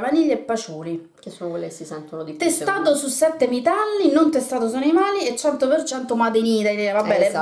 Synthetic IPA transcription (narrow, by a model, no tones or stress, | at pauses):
maniʎːeepːat͡ʃuːli | kesːonokwelːekesisɛnt̪onod̪it̪ːɛst̪aːt̪̬osusːɛt̪ːemit̪alːinont̪est̪aːt̪̬osuanimaːliet͡ʃːɛnt̪opert͡ʃɛnt̪omad̪eniːt̪ainɛvabɛːe